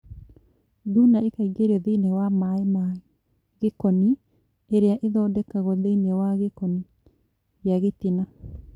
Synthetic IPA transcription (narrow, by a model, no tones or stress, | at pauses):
dunaekaiɡeɾɛðeinewamaema | ɣekɔni | eɾeaʔeðɔdɛkaɣɔðeinewaɣekɔni | ɣjaɣetina